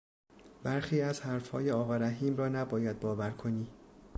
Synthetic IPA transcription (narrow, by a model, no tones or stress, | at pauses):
bæɾxiːæzhæɾfhɒ̰ːjeɒːɣɒːɾæɦiːmrɒːnæbɒːjæd̪̚bɒːvæɾkʰo̞niː